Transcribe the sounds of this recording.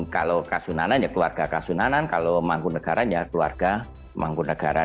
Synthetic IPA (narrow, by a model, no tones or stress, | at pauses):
kalokasunananjakluarɡ̥akasunanankalomaŋkunəɡ̥aɾanjakəlua̰rɡ̥a | ma̰ŋkunəɡ̥aɾa̰